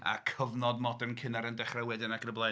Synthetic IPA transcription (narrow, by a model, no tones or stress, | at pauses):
a̰kʰəvnɔdmɔdərnkʰɪnaɾəndɛχrawɛdɪnakʰənəblˠa